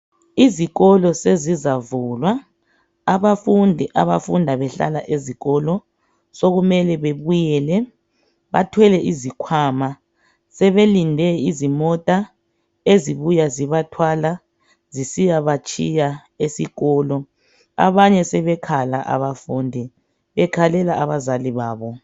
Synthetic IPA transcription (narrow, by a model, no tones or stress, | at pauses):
iziɣɔlɔsezizavuːlwaː | βafundʱiʔaβafundʱaβɛɬa̰laʔeziɣɔlɔ | soɣumɛlɛβeβujɛːlɛ | βatʰwɛlɛʔizikʰwaːma | sɛβelindʱɛizimɔtʼa | eziβujaziβatʰwala | zisijaβat͡ʃʰʼija | esiɣɔːlɔ | a̰βaɲɛsɛβɛkʰala̰ʔa̰βafuːndʱi | βɛkʰalɛlaʔaβazaliβaːβɔ